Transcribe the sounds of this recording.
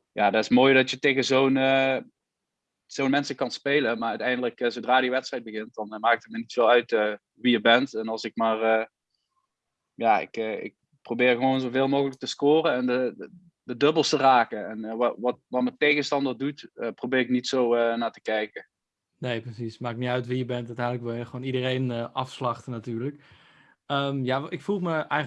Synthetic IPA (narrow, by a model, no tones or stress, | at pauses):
jaːdɑɪsmoːjdɑtjətejɣəzownə | z̥ownmɛnsəkɑnspejləmaːœɥtɛjndələkzowdraːdiʋɛtstrɛjt̚bəɣɪnt̚dɑnmaːk̚tət̚mənitfɪːlˠœɥtə | ʋijəbɛntɛnɑlˠsɪk̚maːr | jaɪ̰kəɪ̰k̚ | prowbɪːrɣəʋoːnzovɪːlˠmowɣələk̚təskʊːrəɛndə | dədɵbəlˠstəraːkəɛnʋʋɑtʋɑtmətejɣənstɑndərdutəprobɪːrɪknitsowənaːtə̥kɛjkə | nejprəsismaːkknitœɥtʋijəbɛntatɛjdləkʋɪlˠjəxʋoːnidərejnʔɑfslɑxtənatyːrlək | əmjaɪkfulˠməɛ